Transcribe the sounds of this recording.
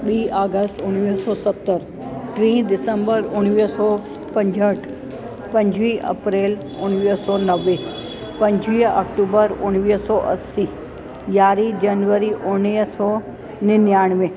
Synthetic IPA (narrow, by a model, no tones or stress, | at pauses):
ɓiːʔaːɡəsʈʊñʋisɔːsɐt̪ːəɾ | ʈɾĩːd̪ɪsə̃mbəɾʊñʋiːsɔː | pɐ̃ɲd͡ʑəʈʰ | pɐ̃ɲd͡ʑʋiːʔɐ̰pɾeːl | ʊñʋisɔːnɐʋe | pɐ̃ɲd͡ʑʱʋiːɐ̰k̚ʈuːbəɾʊɽ̃ʋiːɦsɔːʔɐ̰siː | jaːɾid͡ʑɐnʋəɾiʔʊniɦsɔː | nɪnjaːɽ̃ʋẽː